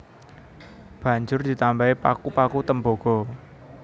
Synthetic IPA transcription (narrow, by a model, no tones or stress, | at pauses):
b̥a̤ɲd͡ʒʊrd̪̥i̤t̪ambaipakupakut̪əmboɡ̥ɔ